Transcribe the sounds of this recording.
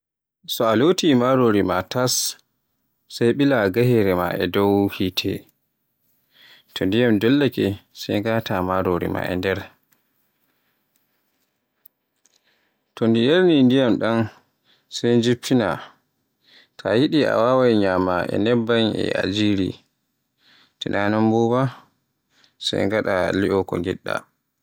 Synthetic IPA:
sɔalotimaɾoɾimatas | ajɓilaɡahɛɾɛma̰ʔɛ̰dɔwhitʰɛ̰ | tʰɔndijamdɔlːakɛsɛjŋɡaːtamaɾoɾḭma̰ʔɛ̰ndɛɾ | tɔndijeɾnindijamɗan | sajnd͡ʒipʰːina | tʰajiɗia̰wawajɲamaʔɛ̰nɛbːanɛ̰ʔa̰d͡ʒiɾḭ | tɛnanɔmbuwa | sa̰jŋɡaɗaliʔɔkɔŋɡɛɗːa̰

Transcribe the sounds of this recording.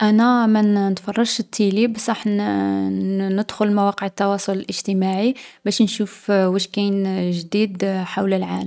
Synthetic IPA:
ʔænæmænnət̪fɑrˤːɑʃt̪ʰːilibæsɑħn | nəd̪xʊlmæwɑqəʕət̪ːɑwɑsˤʊləlʔəʒ̥t̪əmaʕibæʃnʃufwæʃkænʒd̪id̪ħawləlʕaləm

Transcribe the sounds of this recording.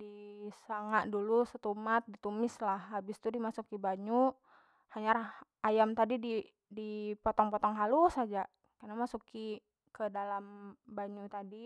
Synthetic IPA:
disaŋaʔ̪̚dulusət̪umat̪̚dit̪umɪslahːabɪst̪udimasukibaɲu | haɲar | ajamt̪adidi | dipɔt̪ɔŋpɔt̪ɔŋɦalusad͡ʒa | kanamasuki | kədalambaɲut̪adi

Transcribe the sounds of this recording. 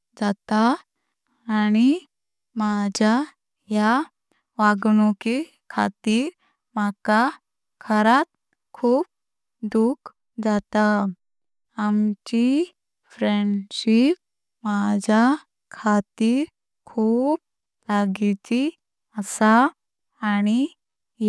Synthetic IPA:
d͡zat̪aː | ñi | mad͡ʑʱa | ja | ʋaɡnuki | kʰa̰t̪iːɾ | maka | kʰəɾat̪̚ | kʰuːp̚ | d̪uk | d͡zat̪a | amt͡ɕi | fɾeɳɖɕip̚ | mad͡ʑʱa | kʰat̪iːɾ | kʰuːp̚ | laɡit͡ɕi | əsa | añi

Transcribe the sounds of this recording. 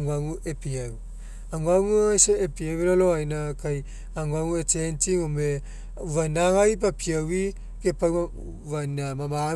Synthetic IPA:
ŋuaŋuʔepiaw | aŋuaŋuajseːpiaweɾaloajnakaj | aŋaŋuet͡ʃentiŋome | uvanaŋajp̬apʰiawi | kepa | vanamama

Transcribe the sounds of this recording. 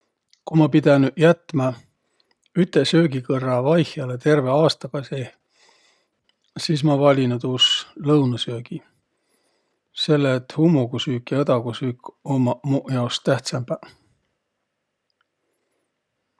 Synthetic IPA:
kumɑpid̪̥enjæt̪ːˑmɑ | yt̪ːˑesø̞ːɡikɤrːɑvɑjhjɑle̞t̪e̞rve̞ɑːst̪ɑkɑse | siːs̬mɑvɑlʲinud̪uːslɤwnɑsøːɡ̥i | se̞lːet̪ːˑhumːuɡusyːkːjɑed̪̥ɑɡusyːkːomɑmujɑost̪æht̪sɑmb̥æ

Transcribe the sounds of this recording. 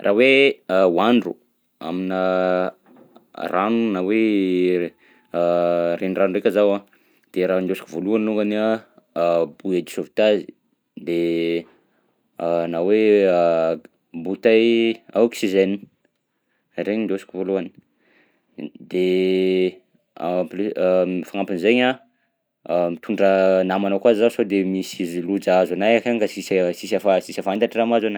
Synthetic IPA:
rʔaweawaɳɖ͡ʐṵ | a̰minə | ranunawe | renranurekʲazawa | d̪̥eɾand̪osikivoluaniluŋɡana | buad̪isovit̪azi̥ | d̪e | nawe | but̪ajaoksiʒeni | aɾeɲind̪osi̥kʲuvuluani̥ | d̪e | a̰plfaŋampinzeɲa | mit̪ʰuɳɖ͡ʐənamanakwazizasod̪emisizilud͡zazanajakaɲkasissisafasisafant̪aʈ͡ʂiramazana

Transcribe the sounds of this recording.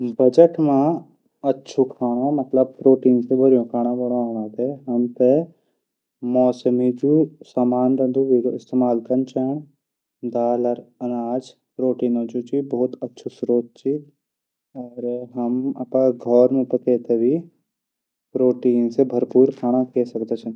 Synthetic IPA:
bɐd͡ʒəʈmã | ɐtːʃʰukʰaːɽ̃ãmɐt̪ləb̚pɾoːʈiːnsebʱɐɾjõkʰaːɽ̃ãbɐɽãnãːt̪eɦɐmt̪e | mɔːsəmid͡ʒusaːmaːnɾə̃nd̪uʋiːɾoɪst̪eːmaːlkɐnt͡ʃɛːn | d̪aːləɾɐnaːd͡ʒ | pɾoːʈiːnõːd͡ʒut͡ʃibɔːt̪ɐtːʃʰusɾoːt̪̚t͡ʃi | ɔːɾɦɐmɐ̰pãɡʱɔːɾmẽpɐkeːt̪ʰebʱi | pɾoːʈiːnsebʱɐɾpuːɾkʰaːɽ̃akɛsɐkd̪et͡ʃʰɛ̃

